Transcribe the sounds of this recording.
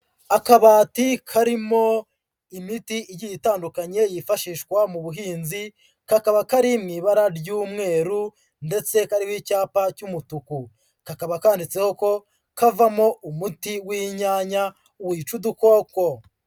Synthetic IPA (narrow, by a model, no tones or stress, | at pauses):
akaβaːtikʰaɾimo̞ | imitiijijitaːndukaɲe̞jifaʃiːʃkwamuβuɦiːnzi | kakaβakaɾimŋiβaɾaɾjuːmŋe̞ːɾu | nde̞t͡se̞kaɾiwiːcaːpacumutuku | kakaβakaːndit͡se̞ho̞ko̞ | kavamo̞umutiwiːɲaːɲa | uwiːt͡ʃuduko̞ːko̞